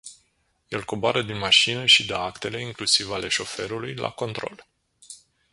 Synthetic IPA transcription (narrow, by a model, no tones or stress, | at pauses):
je̞lko̞boaɾəd̪inmaʃinəʃid̪əakt̪e̞le̞iŋklusivale̞ʃo̞fe̞ɾulujlʔa̰ko̞nt̪ɾo̞̰l